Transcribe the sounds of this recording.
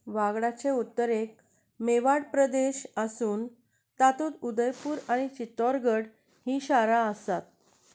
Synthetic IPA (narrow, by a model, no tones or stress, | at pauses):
ʋaɡɽat͡ɕeut̪ːəɾek̚ | meʋaɽpɾəd̪eɕəsuːn | t̪at̪uːt̪ud̪əjpuːɾaɽ̃it͡ɕit̪ɔɾɡəɽ | hiːɕaɾaəsat̪̚